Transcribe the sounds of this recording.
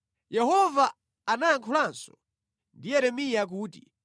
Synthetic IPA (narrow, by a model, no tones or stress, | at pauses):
jɛɦɔvaː | naaŋkʰɔlansɔ̥ | ndijɛɾɛmijak̬uːti